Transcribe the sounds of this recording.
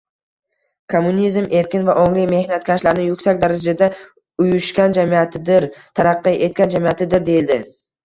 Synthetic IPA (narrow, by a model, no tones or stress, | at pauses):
kʰomːunizme̞ɾkʲɪnvaʔoŋlɪjme̞hnat̪̚kʲʰaʃlaɾɪnɪjʊkʲsakʲd̪aɾad͡ʒad̪a | ʊjʊʃkʲand͡ʒamiat̪ɪd̪ɪɾt̪ʰaɾɑqːɨʔe̞t̪̚kʲand͡ʒamijat̪ʰɪd̪ɪɾd̪e̞jɪld̪ɪ